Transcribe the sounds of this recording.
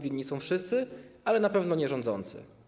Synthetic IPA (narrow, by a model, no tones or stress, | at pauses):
vʲiːisɔ̃w̃fʂɘst̪sɘalɛnapɛvnɔɲɛʐɔ̃nd̪zɔ̰nt̪sɘ̰